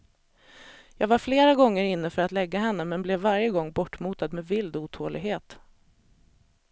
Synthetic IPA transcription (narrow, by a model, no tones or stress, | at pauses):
jɑːɡvaɾfleːɾaɡɔŋːəɾɪnːəfœɾat̪lɛɡːaɦɛnːəmɛnblɛvːaɾjəɡɔŋːbɔʈːmuːt̪ad̪mɛvɪld̪uːt̪ʰoːlɪ̰ɡɦeːt̪